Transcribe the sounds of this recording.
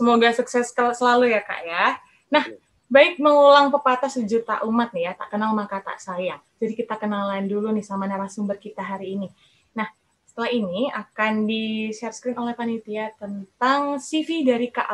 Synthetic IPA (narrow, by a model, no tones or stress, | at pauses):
səmoɡasuksɛskəsəlalujaka̰ʔja | nah | baɪk̚məŋulaŋpəpat̪asid͡ʒut̪a̰ʔumat̪̚nɪjat̪aʔkənalmakat̪a̰ʔsajaŋ | d͡ʒadikit̪akənalaɪndulunɪhsamanaɾasuŋmbərkit̪aɦaɾiːni | nah | sə̥t̪əlahiniakandiʃɛrskɾɪnolɛhpanit̪iat̪ənt̪aŋsifidaɾika̰ʔ